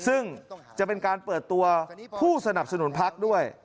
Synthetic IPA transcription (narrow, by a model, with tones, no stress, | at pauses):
sɯ˥˩ŋt͡ɕa˨˩pe˧nkaː˧npɤː˨˩t̪ːu˧ɐpʰuː˥˩sa˧na˨˩p̚sa˧nu˩˦npʰa˦˥k̚du˥˩əj